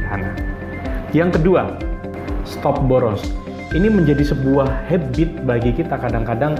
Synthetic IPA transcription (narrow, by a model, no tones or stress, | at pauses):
ana | jaŋkədua | st̪ɔp̚bɔɾɔns | iniməɲd͡ʒadisəbuahhɛbɪt̪̚baɡikit̪akadaŋkadaŋ